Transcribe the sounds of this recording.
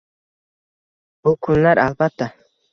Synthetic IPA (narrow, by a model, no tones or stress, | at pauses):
b̥ʊkʰʊnlaɾʔalbat̪ʰːa